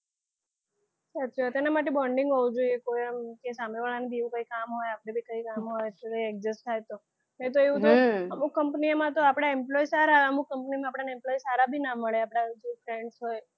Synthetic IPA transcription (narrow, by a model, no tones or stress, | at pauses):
sat̪t͡ʃʰat̪enamaʈ̬ebəɳɖɪŋɡɦoud͡ʒoiekojmkesameʋaɭanibieʋũkəikamɦojapɽ̃ebʱikəikamɦojkəiɛk̚d͡ʒɪsʈʈ̪ʰajt̪o | net̪oeʋũt̪oəmukkəmpnimãt̪oapɽ̃aemplɔisaɾaeəmuk̚kəmpnimãːpɽanemplɔisaɾabʱinaməɭeapɽ̃ad͡ʒopʰɾeɳɖsɦoj